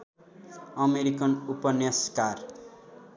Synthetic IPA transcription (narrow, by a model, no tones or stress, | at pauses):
ʌmeɾikʌnupʌnaskar